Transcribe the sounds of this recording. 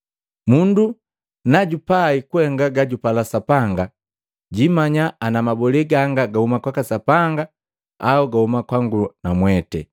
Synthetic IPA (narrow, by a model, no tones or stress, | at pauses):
mundu | naɟupaikwɛŋɡaɡaɟupalasapaŋɡa | ɟimaɲaanamabɔlɛɡaŋɡaɡahumakwakasapaŋɡa | auɡahumakwaŋɡulunamwɛtɛ̰